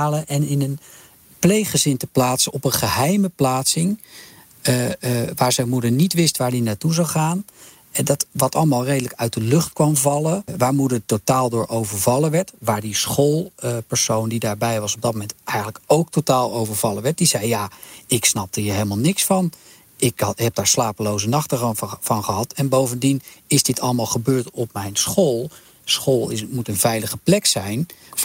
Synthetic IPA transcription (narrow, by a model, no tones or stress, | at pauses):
aːləʔɛnɪnən | plejχəzɪntəplaːtsəɔpənχəɦɛjməplaːtsɪŋ | ʋaːɹzɛjnmudəɹnitʋɪstʋaːɹdinatuzɑwχaːn | dɑtʋɑtɑlˠəmaːlˠrejdələkœɥt̚dəlɵχtkʋɑmvɑləʋaːɹmudəɹtotaːlˠdʊːɹʔowvəɹvɑləʋɛɹtʋaːɹdisχolˠpəɹsowndidaːɹbɛjʋɑsɔb̚dɑt̚momɛntɛjχənləkowk̚totaːlˠowvəɹv̥ɑləʋɛɹt̚dizɛjːaːɪksnɑp̚dəɦiːɹɦejləmalˠnɪksfɑn | ɪkɦɛp̚daːɹslaːpəlowzənɑχtəvɑnχəɦɑtɛnbowvəndinɪzdɪtʰɑ̰ləmaːlˠχəbøːɹtɔp̚mɛjnsχolˠ | sχoːlˠɪmutənvɛjləχəplɛksɛjn